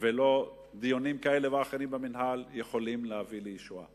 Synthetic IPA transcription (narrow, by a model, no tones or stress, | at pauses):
velo̞ | d̪ijonimkae̞le̞veaχeɾimbeminɦaljeχo̞limlehavilejiʃua̰